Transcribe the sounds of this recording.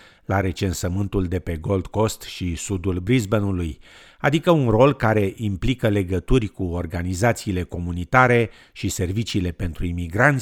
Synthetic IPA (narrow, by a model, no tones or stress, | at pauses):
laɾe̞t͡ʃe̞nsəmɨnt̪uld̪e̞pe̞ɡo̞ld̪ko̞st̪ʃisud̪ulbɾizbənuluj | ad̪ikəunro̞lkaɾe̞ʔimplikəle̞ɡət̪urʲkuo̞rɡanizat̪siːle̞ko̞munit̪aɾe̞ | ʃise̞rvit͡ʃiːle̞pe̞nt̪ɾuimiɡɾant̪